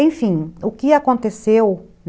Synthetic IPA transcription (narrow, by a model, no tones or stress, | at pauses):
ẽfĩʊkɪakõnt̪esew | n